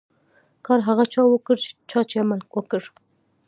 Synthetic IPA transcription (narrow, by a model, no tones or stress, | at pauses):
kɑɾɦaɣat͡ʃɑwəkəɾt͡ʃe̥t͡ʃɑt͡ʃeamalkwəkəɾ